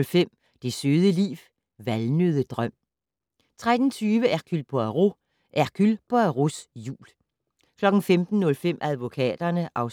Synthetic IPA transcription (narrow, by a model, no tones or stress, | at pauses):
lfem̰ | d̥e̝søːð̞ˠəlḭːw | ʋælnøðˠəd̥ʁœm̰ | t͡sʰʁɛd̥n̩t͡sʰyːʋəʔæɐkʰylpʰɔæʁo | ʔækʰylpʰɒæʁosjṵːl | kʰlɒ̽ɡ̥n̩femd̥n̩ːɔ̽lfem̰ʔæð̞ˠʋo̝kʰɛ̰ːd̥ɐnəʔɑ̈ʊ